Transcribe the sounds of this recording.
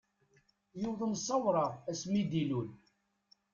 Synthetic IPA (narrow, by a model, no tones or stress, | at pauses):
juðˤənsˤːɑwɾˤɑæsmid̪ilul